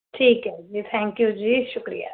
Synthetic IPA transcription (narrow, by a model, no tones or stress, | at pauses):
ʈʰiːkɦɛd͡ʒiːt̪ʰɛ̃ːŋkjud͡ʒiːʃʊkɾḭja̰ː